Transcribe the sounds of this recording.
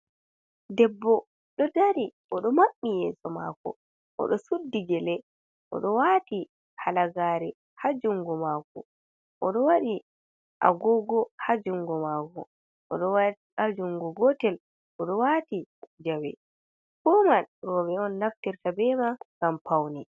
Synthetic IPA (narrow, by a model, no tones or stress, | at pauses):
dɛbːɔ | ɗɔdaɾi | ɔɗɔmaɓːijɛːsɔma̰kɔ̰ | ʔɔ̰ɗɔsudːid͡ʒɛlɛ | ʔɔ̰ɗɔwati | halaɡaɾɛ | had͡ʒuŋɡɔmakɔ | ʔɔɗɔwaɗi | ʔa̰ɡɔɡɔhad͡ʒuŋɡɔmakɔ | ʔɔɗɔwa | ad͡ʒuŋɡɔɡɔtɛl | ʔɔɗɔwatid͡ʒawɛ̰ | kɔmanɾɔbɛɔnːaftiɾtabɛmakampʰawni